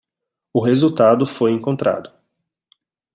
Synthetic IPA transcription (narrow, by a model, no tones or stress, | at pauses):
ʊɦezut̪ad̪ʊfojẽŋkõnt̪ɾa̰d̪ʊ